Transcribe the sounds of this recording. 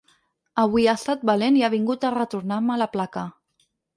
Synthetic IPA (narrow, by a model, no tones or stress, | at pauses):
əβwiast̪at̪̚baleniaβ̞iŋɡut̪ərət̪uɾnaɾmələplakə